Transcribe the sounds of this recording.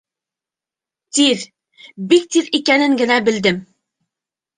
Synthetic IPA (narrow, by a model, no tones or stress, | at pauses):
t̪ið | bik̚t̪iðikænɘŋɡɘ̆næbɘ̆ld̪ɘm